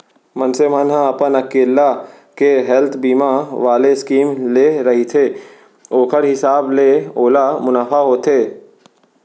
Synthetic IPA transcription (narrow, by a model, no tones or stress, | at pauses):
mɐnsemənɦãɐpənɐkeːlːa | keɦɛlt̪ʰbiːmaʋaːleɪskiːmleɾɐɦit̪ʰeː | oːkʰəɾɦɪsaːbleoːlamʊnaːfʰaɦoːt̪ʰeː